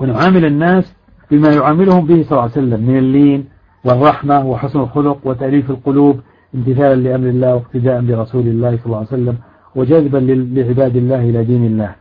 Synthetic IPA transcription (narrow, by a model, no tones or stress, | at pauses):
wɪnʕaːmɪlɪnːaːs | b̥ɪmajʊʕaːmɪlʊhʊmbɪhsˤɑlːjsalːamːɪnalːiːn | wɪrˤːɑħmawɪħʊsnɪlxʊlʊqwɪt̪aʔliːfalqʊluːb | ʔɪnt̪ɪθaːlanlɪʔamɾɪlːaːhwɪqt̪ɪd̪aːʔanbɪɾˤɑsuːlɪlːaːhsˤɑlːɑːjsalːam | wɪd͡ʒaðbanlɪʕɪbaːd̪ɪlːaːhʔɪlad̪iːnɪlːaːh